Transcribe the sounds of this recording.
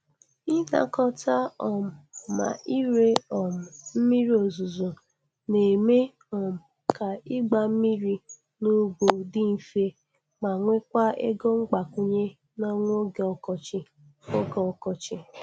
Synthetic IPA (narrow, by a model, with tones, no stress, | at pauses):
i˦na̰˨kɔ˦ta˦ɔ˨m̩˨ma̰˨ʔi˦ɾe˦ɔ˨m̩˨m̩˦mi˦ɾi˦o˨zu˨zo˨ | ne˨me˦ | ɔ˨m̩˨ | ka˨i˦ɡ͡ba˨m̩˦mi˦ɾi˦ | nu˦bo˨dɪ˦n̩˨fe˦ | ma˨ŋʷe˦kʷa˦ḛ˦ɡo˦ŋ͡m̩˦ɡ͡ba˨ku˦ɲe˦ | na˦ŋʷ˦o˦ɡɔ˨kɔ˨t͡ʃɪ˦ | o˦ɡɔ˨kɔ˨t͡ʃɪ˦